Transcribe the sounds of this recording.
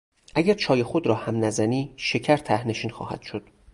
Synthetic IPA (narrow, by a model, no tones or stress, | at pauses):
ʔæɟæɾt͡ʃʰɒːje̞xod̪ɾɒːhæmnæzæniːʃe̞cʰæɾt̪ʰæhne̞ʃiːnxɒ̰ːhæ̰d̪̥ʃod̪̥